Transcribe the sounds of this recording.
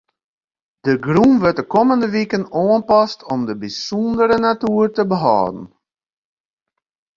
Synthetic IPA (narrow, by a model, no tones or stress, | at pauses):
d̥əɡrumʋøt̚dəkɔməndəʋikənoənpɑstʰɔmdəbisɔndəɾənatyərtəbəɦɑ̰ːdən̩